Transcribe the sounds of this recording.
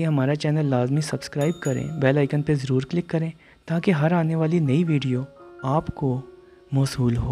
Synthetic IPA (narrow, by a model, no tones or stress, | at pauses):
eɦɐmaːɾat͡ʃɛːnəlːaːzmisɐbskɾaːɪbkɐɾḛ̃ːbɛːlaːɪkənpezɐɾuːɾklɪkːɐɾẽː | t̪aːkeɦɐɾaːneʋaːlinɐiʋiːɖijoaːpko | mɔːsuːlɦoː